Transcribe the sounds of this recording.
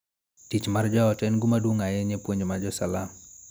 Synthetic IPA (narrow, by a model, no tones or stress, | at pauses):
tit͡ʃmard͡ʒɔɔtɛnɡumadwoŋajɛɲepwoɲmad͡ʒɔsalam